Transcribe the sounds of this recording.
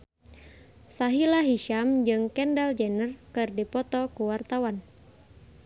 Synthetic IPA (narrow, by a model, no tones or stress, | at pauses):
saɦilaɦiʃamd͡ʒɨŋkɛndald͡ʒɛnərkɨrdipɔt̪ɔkuwart̪awan